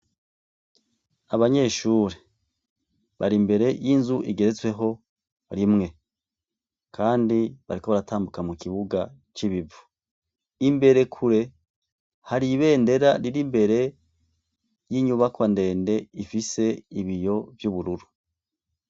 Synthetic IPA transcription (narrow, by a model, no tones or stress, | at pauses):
aβaɲe̞ːʃuːɾe | βaɾimbe̞ɾe̞jinzuʔiɡe̞ɾe̞t͡swe̞ɦo̞ | ɾimŋe̞ | kʰaːndiβa̰ɾiko̞βaɾataːmbukamukiβuɡa | t͡ʃiβivu̥ | imbe̞ɾe̞kʰuɾe̞ | haɾiβe̞ːnde̞ɾaɾiɾimbe̞ɾe̞ | jiːɲuβakwande̞ːnde̞ifise̞iβijo̞vjuːβuɾuɾu